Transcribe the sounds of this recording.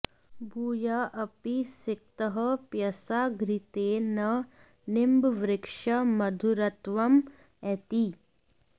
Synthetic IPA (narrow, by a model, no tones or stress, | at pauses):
buːjaʔɐpisɪk̚t̪əɦɐpjɐsaːɡɾit̪eːnɐ | nɪmbʋɾɪkʂɐmɐd̪ʱuɾɐt̪ʋɐm | ɛt̪i